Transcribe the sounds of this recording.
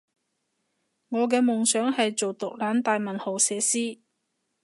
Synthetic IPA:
ŋɔː˨˧k̬ɛː˧mʊ˨ŋsœː˨˥ŋhɐ˨jt͡so˨wt̪ʊ˨k̚laː˨˥nt̪aː˨jmɐ˨˩nho˨˩wsɛː˨˧˥siː˥

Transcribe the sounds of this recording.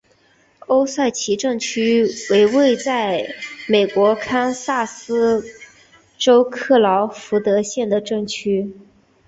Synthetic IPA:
o˥ʊsa˥˩ɪt͡ɕʰi˧˥ʈ͡ʂɤ˥˩ŋt͡ɕʰy˥we˧˥ɪwe˥˧ɪt͡sa˥˩ɪme˨˩ɪkwɔ˧˥kʰa˥nsa˥˩sɹ̩˥ | ʈ͡ʂo˥ʊkʰɤ˥˩lɑ˧˥ʊfu˧˥t̪ɤ˧˥ɕjɛ˥˩nd̪ə˩ʈ͡ʂɤ˥˩ŋt͡ɕʰy˥

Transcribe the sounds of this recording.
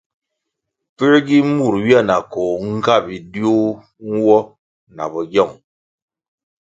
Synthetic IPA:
pi˦ɾɡi˦mu˨ɾwi˦a˦˨na˨ko˨ŋ̩˦ka˦˨bi˨di˦o˦ | ŋ̩˦wɔ˦ | na̰˨bɔ˨ɡɔ˦˨ŋ

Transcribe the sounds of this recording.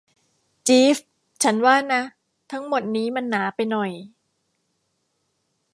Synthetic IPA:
t͡ɕiː˦˥f | t͡ɕʰa˦˥nwaː˥˩na˦˥ | t̪ʰa˦˥ŋmo˨˩t̪̚niː˦˥ma˧nːaː˩˦pa˧jnɔ˨˩j

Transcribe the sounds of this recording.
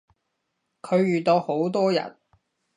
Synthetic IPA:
kʰɵ˨˧ɥɥyː˨t̪o˨˧who˨˥wt̪ɔː˥jɐ̰˨n

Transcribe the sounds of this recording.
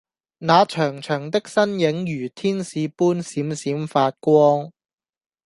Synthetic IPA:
naː˨˧t͡ʃʰœː˨˩ŋt͡ʃʰœː˨˩ŋt̪ɪ˥k̚sɐ˥njɪ˨˥ŋjyː˨˩t̪ʰiː˥nsiː˨˧puː˥nsiː˨˥msiː˨˥mfaː˧t̚kʷɔː˥ŋ

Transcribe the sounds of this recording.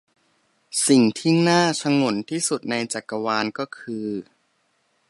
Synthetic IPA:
si˨˩ŋt̪ʰi˥˩ŋnaː˥˩t͡ɕʰa˧ŋo˩˦nt̪ʰiː˥˩su˨˩t̪̚na˧jt͡ɕa˨˩kːa˧waː˧nkɔː˥˩kʰɯː˧

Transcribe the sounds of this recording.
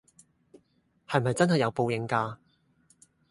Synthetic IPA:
hɐ˨jmɐ˨jt͡sɐ˥nhɐ˨jɐ˨˧wpo˧wjɪ˨˧ŋkaː˧

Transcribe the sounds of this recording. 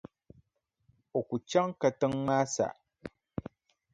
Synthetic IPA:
o˨ku˨t͡ʃa˦ŋka˨tɨ˦ŋmaː˦sa̰˨ʔ

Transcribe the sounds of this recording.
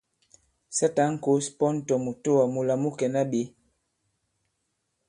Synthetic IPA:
sa˦ta˨˦ŋ̩˦ko˦spɔ˦n̩˦tɔ˨mu˨to˦wa˨mu˨la˨mu˦kɛ˨na˦ɓe˨˦

